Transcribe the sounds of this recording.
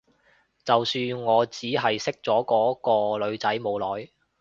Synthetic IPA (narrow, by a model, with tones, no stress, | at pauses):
t͡sɐ˨wsyː˧nŋɔː˨˧t͡siː˨˥ɦɐ˨jsɪ˥k̚t͡sɔː˨˥kɔː˨˥kɔː˧lɵ˨˧ɥt͡sɐ˨˥jmo˨˧wlɔː˨˥j